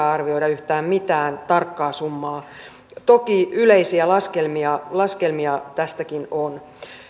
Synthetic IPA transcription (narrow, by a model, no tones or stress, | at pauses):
ɑrʋio̞ijɾɑyht̪æːmmit̪æːnt̪ɑrkːɑːsumːɑː | t̪okiyleisiælɑskelmiɑlɑskelmiɑt̪æst̪ækinon